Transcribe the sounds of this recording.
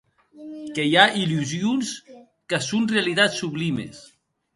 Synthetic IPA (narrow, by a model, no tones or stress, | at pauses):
kejaʔiluzjuns | kəsunrealit̪asːuβlimḛs